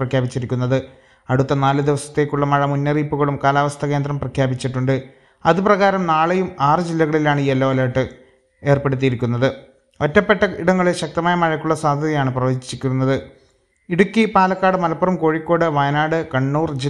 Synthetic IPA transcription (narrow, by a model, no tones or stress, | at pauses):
rɐkʰjaːbit͡ɕːiɾikʲːunːɐðɨ | ɐɽut̪ːɐnaːlɨd̪iʋɐsɐ̥t̪ːe̞ːkːuɭːɐmɐɻɐmunːɐriːpːuɣɐɭumkaːlaːʋɐst̪ʰɐke̞ːnd̪rɐmprɐkʰjaːbit͡ɕːiʈːuɳɖɨ | ɐðɨprɐɣaːɾɐmnaːɭejumaːrɨd͡ʑilːɐɣɐɭilaːɳɨiːelːoʋɐlɐːʈːɨ | e̞ːrpe̞ɽut̪̬ːijiɾikʲːunːɐðɨ | otːɐpːeʈːɐiɽɐŋːɐɭeɕɐk̚t̪ɐmaːjɐmɐɻɐkʲːuɭːɐsaːd̪ʱɐðjaːɳɨprɐʋɐːd͡ʑit͡ɕːikʲːunːɐðɨ | iɽukʲːipaːlɐkːaːɽɨmɐlɐpːɐrɐmko̞ːɻikʲːo̞ːɽɨʋɐjɐnaːɽɨkɐɳːuːrd͡ʑi